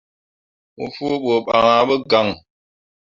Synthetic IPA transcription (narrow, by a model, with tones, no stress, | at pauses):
mṵ˦fu˦ɓo˨ɓa˨ŋa˨ɓə˦ɡa˨ŋ